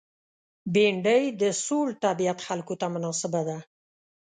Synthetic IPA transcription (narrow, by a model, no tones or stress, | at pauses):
beɳɖəjd̪əsolt̪abijat̪xalkot̪amʊnɑsɪbad̪a